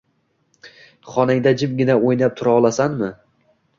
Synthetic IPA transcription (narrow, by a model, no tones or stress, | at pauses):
χɒnaŋd̪ad͡ʒɪmɡʲɪnaojnap̚t̪ʰʊɾaɒlˠasanmɪ